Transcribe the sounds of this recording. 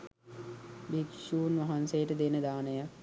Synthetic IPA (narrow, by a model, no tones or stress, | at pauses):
bikʃuːnʋaɦansejəʈəd̪enəd̪aːnəjak